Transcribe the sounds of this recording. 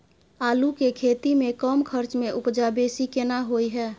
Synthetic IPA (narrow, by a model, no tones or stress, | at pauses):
aːlukekʰet̪imekəmkʰəɾt͡ʃmeʔʊpd͡ʒabesikenaɦoiɦɛː